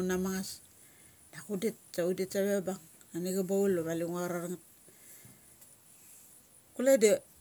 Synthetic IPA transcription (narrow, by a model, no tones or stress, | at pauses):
namaŋas | d̥akudit̚t͡ʃauditsaβebaŋ | aniɡabauloβaliŋuaɾaɾŋat̚ | kulede